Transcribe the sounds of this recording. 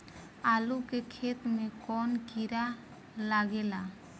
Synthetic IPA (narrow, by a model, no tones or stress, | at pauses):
alukekʰet̪mekɔnkiɾa | laɡɛla